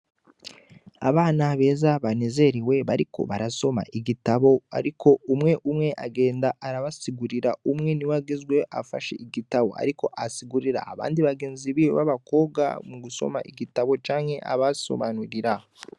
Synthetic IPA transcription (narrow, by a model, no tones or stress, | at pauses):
a̰βaːnaβe̞ːzaβaneze̞ɾiwe̞βaɾikʰo̞̰βaɾaso̞ma̰ʔiɡitaβo̞a̰ɾikʰo̞umŋe̞ʔumŋe̞ʔaɡe̞ːndaʔaɾaβasiɡuɾiɾaumŋe̞niwaɡezɡwe̞ʔa̰fa̰ʃḛʔiɡitaβo̞̰a̰ɾiko̞ʔasiɡuɾiɾa̰ːβa̰ːndiβaɡe̞ːnziβijo̰βa̰βako̞ːbɡa̰muɡuso̞̰ma̰ʔiɡitaβo̞t͡ʃaːŋhe̞ʔa̰βaso̞̰βanuɾiɾa